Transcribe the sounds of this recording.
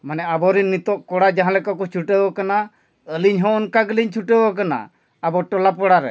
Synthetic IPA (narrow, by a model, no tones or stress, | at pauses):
manɛabɔɾinːit̪ɔʔkɔɽad͡ʒaɦãlɛkɔkɔt͡ʃʰuʈəbɔkana | əliɲɦɔ̃ɔnkaɡəliɲt͡ʃʰuʈəbɔk̬ana̰ | abɔʈɔlapɔɽaɾɛ̰